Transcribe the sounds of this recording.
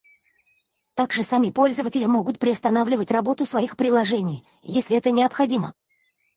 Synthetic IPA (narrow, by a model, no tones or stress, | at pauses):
t̪aɡʐɨsɐmʲipo̞lʲzəvətʲɪlʲɪmo̞ɡʊt̪̚pɾʲɪɐst̪ɐnavlʲɪvətʲrɐbo̞t̪ʊsvɐixpɾʲɪlˠɐʐɛnʲɪj | jesʲlʲɪɛt̪ənʲɪəpxɐdʲimə